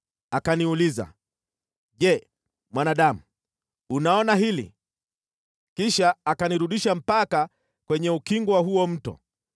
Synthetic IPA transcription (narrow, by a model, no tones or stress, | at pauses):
akaniuliza̰ | ʄɛ | mwanaɗamu | unaɔnaɦilḭ | kiʃaːkaniɾuɗiʃam̩paka | kwɛɲɛukiŋɡwaɦuɔm̩tɔ̰